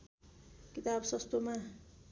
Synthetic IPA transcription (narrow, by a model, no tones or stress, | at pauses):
kit̪absʌst̪oma